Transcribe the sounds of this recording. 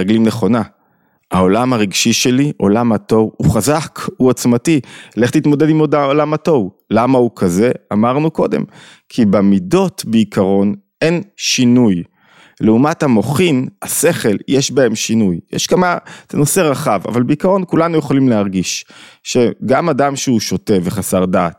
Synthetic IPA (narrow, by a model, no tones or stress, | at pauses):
eɡlimneχo̞na | hao̞lamaʁiɡʃiʃe̞liʔo̞lamato̞vuχazakuat͡smatileχtliːt̪mo̞d̪edimod̪aolamato̞vlamaukʰaze̞amaʁnuko̞de̞̰m | kʰibemido̞tbeikʰaʁo̞n | e̞nʃinuj | leumathamo̞χinase̞χe̞ljeʃbae̞mʃinujjɛʃkamateno̞se̞ʁaχava̰valbeikaʁo̞nkulanujeχolimleaʁɡiʃʃe̞ɡamadamʃeuʃo̞te̞veχasaʁdaːt̚